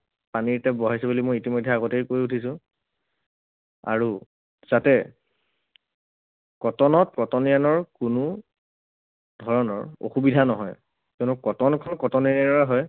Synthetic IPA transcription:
paniɹtɛbɔɦajsɛbulimojitimɔjdʱːɛaɡɔtejkojutʰisʊ̃ | a̰ɹu | z̥atɛ | kɔtɔnɔtkɔtɔnijanɔɹkʊnʊ | dʱɔɹɔnɔ̰ɹo̰xubidʱanɔɦɔ̰j | konukɔtɔnkʰɔnkɔtɔnianinɔɹaɦɔj

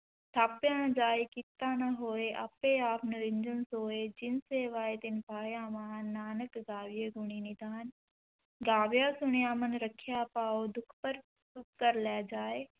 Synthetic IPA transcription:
t̪ʰaːpjãnd͡ʒaːikɪt̪ːaːnaɦoːeʔɐpeaːpʰnɪɾɪ̃ɲd͡ʒənsoːed͡ʒɪnseːʋaːet̪ɪnpaːjãːmaːnːaːnəkɡaːʋjeɡʊɽ̃inɪd̪aːn | ɡaːʋjaːsʊɳ̃jãːmənɾəkʰːjaːpaːod̪ʊkʰpəɾ | sʊkkəɾlɛːd͡ʒaːeː

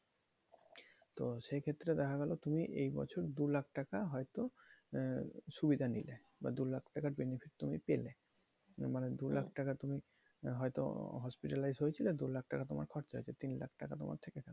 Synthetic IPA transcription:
t̪oʃekʰet̪ːɾed̪ɛkʰaɡɛlot̪umiʔejbɔ̰t͡ɕʰoɾd̪ulak̚ʰʈakaɦɔjt̪o | ʃubid̪ʱanile | ba̰d̪ulak̚ʰʈakaɾbenepʰiʈ̚t̪umipele | maned̪ulak̚ʰʈakat̪umi | ɦɔet̪o̰ɦɔspiʈalajzɦojet͡ɕʰiled̪ulak̚ʈakat̪oma̰ɾkʰɔɾt͡ɕɦo̰jt͡ɕʰet̪inla̰k̚ʰʈakat̪o̰mʔa̰ɾt̪ʰekekʰɛlo

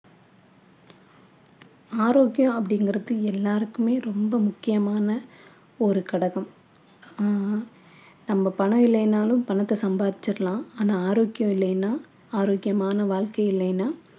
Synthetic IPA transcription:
aːɾoːkɪjõɐpːɐɽɪŋɡɪɾɐðɯɛlːaːɾɯkːɯmeːɾɔmbɐmʊkːɪjɐmaːnɐ | ɔɾɯkɐɽɐɣɐm | nɐmːɐpɐɳɐʋɪlːɐnaːlɯmpɐɳɐt̪ːɐsɐmbaːðɪt͡ʃːɪɾɐlãːaːnaːaːɾoːɡɪjõɪlːɐjnːaː | aːɾoːɡɪjɐmaːnɐʋaːɻkɐɪɪlːɐɪnːaː

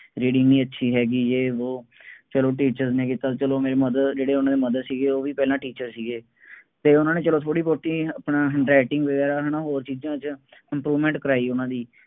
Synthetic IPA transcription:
ɾiːɖɪ̃ŋɡnĩːətːʃʰiːɦɛːɡid͡ʒeːoːt͡ʃəloːʈ̬iːt͡ʃəɾznẽːkiːt̪aːt͡ʃəloːmeːɾeːməd̪əd̪d͡ʒeːɽeːʊnãːd̪eːməd̪əd̪siːɡeːoːʋiːpɛːlãːʈiːt͡ʃəɾsiːɡeː | t̪eːʊnãːneːt͡ʃəloːt̪ʰoːɽiːpoːʈiːəpnãːɾɛːʈɪŋɡʋəɡɛːɾaːɦəɳaːɦoːɾt͡ʃiːd͡ʒãːt͡ʃɪ̃mpɾuːʋmɛ̃ːɳʈkəɾaːiːʊnãːd̪iː

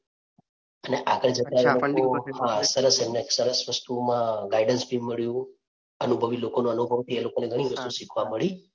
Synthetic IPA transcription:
əneʔakəɽ̃d͡ʒət̪aelokoɦãsəɾəsemnesəɾəsʋəst̪umãɡaiɖənsbʱiməɭjũ | ənubʱəʋilokonũənubʱəʋt̪ʰielokoneɡʱəɽ̃iʋəst̪usikʰʋaməɭi

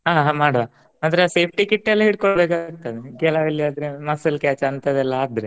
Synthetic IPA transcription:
ɦaːɦãmaːɽɐʋa | aːd̪ɐɾese̞ːpʰʈikiʈːɛlːɐɦiːɽkoɭbeːkaɡ̚t̪ad̪ekɛlaʋilːiaːd̪ɾemɐsɐlkaːt͡ʃɐnt̪ɐd̪ɛlːɐaːd̪ɾe

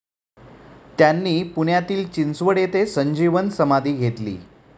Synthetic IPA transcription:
t̪janːiːpuɳjat̪iːlt͡ɕinsʋəɽet̪esəɲd͡ʑiʋənsəmad̪ʱiːɡʱet̪lḭː

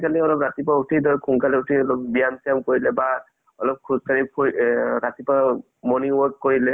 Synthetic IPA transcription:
kaliɔlɔpɹat̪ipautʰidɔɹkʰuŋkalɛutʰiɔlɔp̚bijamsijamkoɹilɛba | ɔlɔp̚kʰuskaɹipʰuiɹat̪ipa | mɔniɔzkoɹilɛ

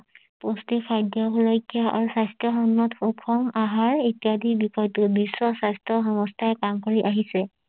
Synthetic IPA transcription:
postikʰajdjɔɦulojkijaa̰ɹusajstɹɔxɔnːɔtxokʰɔmaɦaɹetijadibixɔjtubisːɔsajstɹɔxɔmɔstʰaɛkamkoɹiʔaɦisɛ

